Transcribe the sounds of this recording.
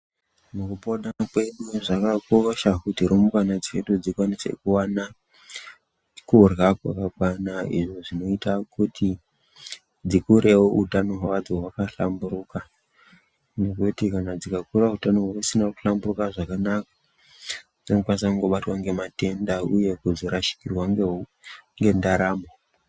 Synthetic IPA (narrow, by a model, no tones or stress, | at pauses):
mukupoɗakweɗuʐakakoʃakutiɾomukanad͡zeɗud͡zikwanise̞̰kuwana | kurɣakwa̰kakwanaḭʐo̞ʐino̞itakutʰi | d͡zikuɾe̞woʔutanoɦwawad͡zoɦwakaɬa̰mbuɾuːka | ne̞kutikanad͡zikakuɾautanoɦakusinaku̥ɬamburukaʐakanakḁ | d͡zino̞kwanisakuŋɡo̞ɓatwaŋɡe̞mate̞ndauje̞kuzoɾaʃi̥kirwaŋɡeŋɡe̞ndaɾaːmo